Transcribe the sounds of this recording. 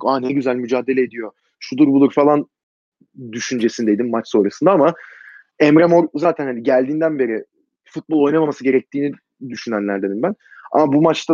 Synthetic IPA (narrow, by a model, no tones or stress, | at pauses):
anɛɟyzælʲmyd͡ʒaːd̪e̞lʲeed̪ijo̞ | ʃud̪uɾbulˠuɾfalˠan | d̪yʃynd͡ʒe̞sind̪e̞jd̪imːat͡ʃso̞ːɾasɯnd̪aama | ɛmɾamoɾzaːt̪ʰænhaniɟælʲd̪iːnd̪ænbe̞ɾɪ | fut̪̚bolˠo̞jnamamasɯɟe̞ɾɛc̚t̪ʰiːni | d̪yʃynænlʲæɾd̪enimbæn | a̰mabumat͡ʃt̪ʰa